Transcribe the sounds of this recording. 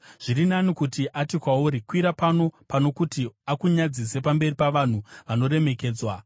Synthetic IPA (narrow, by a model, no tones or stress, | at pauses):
ʐ̥irinanikutiʔatikwauːɾikwiɾapano̞pano̞kutiakuɲad͡zise̞pambe̞ripaʋan̤uʋano̞ɾe̞me̞ke̞ːd͡zwa